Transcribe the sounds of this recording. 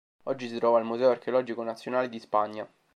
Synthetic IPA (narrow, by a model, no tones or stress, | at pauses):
ɔd͡ʒːisit̪ɾɔːvailmuzɛoarkeolɔd͡ʒikonat̪sːjonaːled̪ispaɲːa